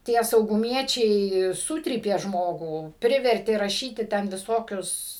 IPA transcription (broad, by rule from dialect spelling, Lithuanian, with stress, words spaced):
ˈtʲiɛ sɐʊɡʊˈmʲiɛt͡ʃʲɛɪ ˈsʊtʲrʲiːpʲeː ˈʒmoːɡuː ˈpʲrʲɪʋʲɛrʲtʲeː rɐˈʃʲiːtʲɪ tʲɛn ʋʲɪˈsoːkʲʊs